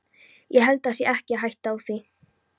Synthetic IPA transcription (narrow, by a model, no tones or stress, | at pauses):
jɛɦɛlt̪asjɛʔɛhcɪaɦajht̪awθi